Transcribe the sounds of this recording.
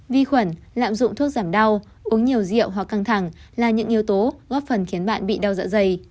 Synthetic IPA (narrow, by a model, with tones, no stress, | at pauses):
vi˧xwə˧˩n | la̰ː˧˨mzʊ̰˧˨ŋ͡mt̪ʰu˦˥ək̚z̥aː˧˩mɗa˧w | ʔu˨˦əŋɲi˨˩əwzḭ˧˨əwɦwa˨˩kːa˧ŋt̪ʰa˧˩ŋlaː˨˩ɲɨ̰˧˥ŋʔi˨˧əwt̪o˨˦ɣɔː˦˥p̚fə˨˩nxi˨˦ənɓa̰ː˧˨nɓḭ˧˨ɗa˧wza̰ː˧˥zə˧˩j